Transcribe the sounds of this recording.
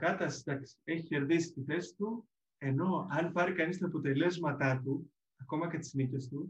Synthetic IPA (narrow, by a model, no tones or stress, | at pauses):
kɐt̪ɐsd̪ɐksi̥e̞çiçe̞ɾðisi̥st̪iθe̞si̥t̪u | e̞no̞ɐnpɐɾikɐnist̪ɐːpo̞t̪e̞le̞zmɐt̪ɐt̪u | ɐko̞mɐcet̪i̥znice̞st̪u